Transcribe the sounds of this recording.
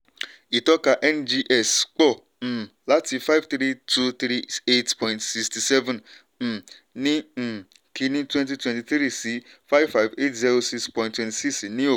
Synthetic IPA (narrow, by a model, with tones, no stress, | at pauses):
i˨tɔ˦ka˧ʔɛ˦˨nd͡ʒi˧ʔɛ˦˨sk͡pɔ̃˦˨ | la˦ti˧fa˦i˨vt̪ɾi˦tʰu˧t̪ɾi˦e˦tpɔ̃˨ĩntsi˧ksti˧sɛ˦vɛ̃˨n̩˨ | nĩ˦˨ | kʰi˧nĩ˦twɛ̃˦nt̬i˧twɛ̃nti˧θɾi˦si˨˦fa˦jvfa˦jve˦˨tzɛ˦ɾo˧si˧kspɔ̃˨jĩntwɛ̃nti˨si˦si˨nĩ˦o˦˨